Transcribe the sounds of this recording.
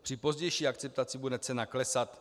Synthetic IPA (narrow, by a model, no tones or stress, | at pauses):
pr̥ɪpo̞zɟɛjʃiːakt͡sɛp̚t̪at͡sɪbudɛt͡sɛnaklɛsat̪